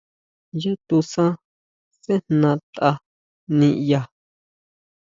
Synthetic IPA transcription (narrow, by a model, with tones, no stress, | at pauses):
ja˦t̪u˧sã˦ | se˦n̥nã˧t̪a˧ | nĩ˧ʔja˧˨